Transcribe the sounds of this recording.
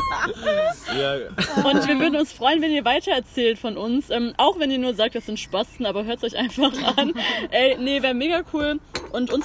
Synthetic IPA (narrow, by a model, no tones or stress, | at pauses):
ʔʊntv̥iːɐvʏɐdn̩ʊnsfʁ̥ɔʏənvɛniːɐvaɪtʰɐɛɐt͡sɛːltfɔnʔʊnsʔɛːmʔaʊxv̥ɛniːɐnuːɐzaːk̚t̚d̥asz̥ɪntʃpasn̩ʔaːbɐɦøːɐtsʔɔʏçʔa̰ɪnfaχʔanʔɛɪnevɛːɐmeːɡakʰuːlʔʊntʔʊnz